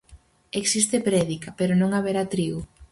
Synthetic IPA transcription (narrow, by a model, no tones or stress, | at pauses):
eksist̪epɾɛðikɐpeɾonõŋaβeɾat̪ɾiu